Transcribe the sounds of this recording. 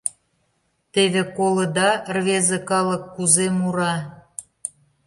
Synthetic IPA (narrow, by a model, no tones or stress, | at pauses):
t̪eβekoləd̪ɑrβezə̆kɑlə̆kːuzemuɾɑ